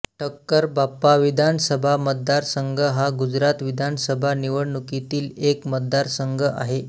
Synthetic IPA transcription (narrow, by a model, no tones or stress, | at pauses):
ʈʰəkːəɾbapːaʋid̪ʱansəbʱamət̪̚d̪aɾsəŋɡʱəɦaɡud͡zɾat̪ʋid̪ʱansəbʱaniʋəɽɳukit̪iːlekmət̪̚d̪aɾsəŋɡʱəʔa̰ɦe